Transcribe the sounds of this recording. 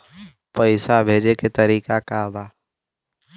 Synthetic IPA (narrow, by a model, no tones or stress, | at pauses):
pəɪsabʱeːd͡ʒeket̪ɐɾiːkakaʋaː